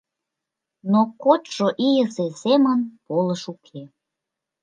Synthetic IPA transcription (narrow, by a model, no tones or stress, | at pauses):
nokot̪ʒ̥oʔijəzezemənpoləʃukʰe